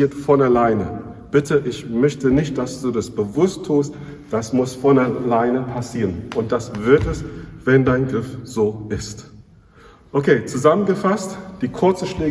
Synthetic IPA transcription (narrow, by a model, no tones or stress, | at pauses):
iːɐtfɔnaɐlaɪnə̰ | b̥ɪtʰəʔɪçmœçtənɪçt̚d̥asd̥uːdasb̥əvʊstʰːuːst | d̥asmʊsfɔnalaɪnəpʰasiːʁənʔʊnt̚d̥asv̥ɪɐtɛsv̥ɛndaɪnɡʁɪfz̥oːʔɪst | ʔokʰeːt͡suzamənɡəfastd̥iːkʰʊɐt͡səʃleː